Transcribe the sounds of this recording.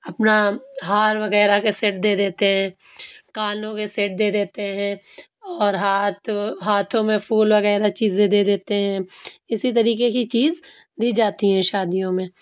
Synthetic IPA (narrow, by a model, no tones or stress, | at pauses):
ɐpnaɦaːɾʋɐɣɛːɾakeseːʈ̚d̪eːd̪eːt̪eɦɛ̃ːkaːlõkeseːʈ̚d̪eːd̪eːt̪eɦɛ̃ː | ɔːɾɦaːt̪ɦaːt̪ʰõmẽpʰuːlʋɐɣɛːɾat͡ʃiːzẽd̪eːd̪eːt̪eɦɛ̃ɪsit̪̬ɐɾiːkekit͡ʃiːz | d̪iːd͡ʒaːt̪iɦɛ̃ʃaːd̪ijõmẽː